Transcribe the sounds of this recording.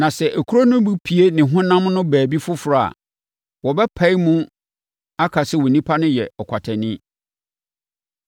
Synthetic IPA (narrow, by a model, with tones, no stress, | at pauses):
nã˨sɛ˨ʔæ˨kʰu˦ɾo˦nʊ̃˦bu˦pʰi˨e˦nɪ̃˨ɦʊ̃˦nã˦mnʊ̃˦bæː˨bi˦fʊ˦fʊ˨ɾa˨a̰˨ | wɔ˨bɛ˦pʰa˦i˦mũ˦ | a˦kʰa˨sɪ˦wɔ˨nĩ˦pʰa˦nʊ̃˦jɛ˨ɔ˨kʷʰa˨tʰɛ˨nɪ̃˦